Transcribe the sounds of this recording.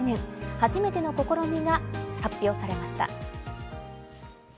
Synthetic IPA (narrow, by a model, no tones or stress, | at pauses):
nẽ̞ɰhaʑime̞t̪e̞no̞ko̞ko̞ɾo̞ɲ̟iɡahapʲːjo̞ːsaɾe̞maɕi̥t̪a̰